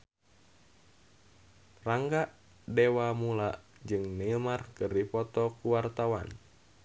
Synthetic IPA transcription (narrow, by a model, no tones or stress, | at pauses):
raŋɡaʔ | dewamulaʔ | d͡ʒɨŋnilmarkɨrdipɔt̪ɔkuwart̪awa̰n